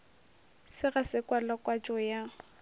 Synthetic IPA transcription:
sɪɣasɪkʼwalakʼwat͡ʃʼɔja

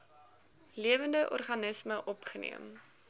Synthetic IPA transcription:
liəvəndəʔɔ̰rχɐnəsməʔɔpχənḭəm

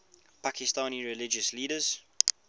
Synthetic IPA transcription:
pʰakʰɪstãːniɹɪlɪd͡ʒəsliːɾəz̥

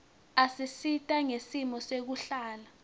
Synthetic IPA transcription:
asisitʼaŋesimɔsek̬uɬaːla

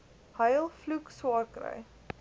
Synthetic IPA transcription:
həjlˠflukswɑːrkrə̰j

